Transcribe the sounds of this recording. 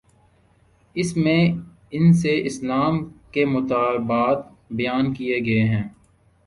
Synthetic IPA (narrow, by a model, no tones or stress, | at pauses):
ɪsmẽ | ɪnseʔɪslaːmkemʊt̪aːlbaːt̪ | bɐjaːnkijeɡɐeɦɛ̃ː